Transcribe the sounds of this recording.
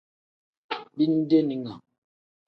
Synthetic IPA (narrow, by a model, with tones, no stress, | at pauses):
bi˦n̩˦de˦ni˨ŋa̰˨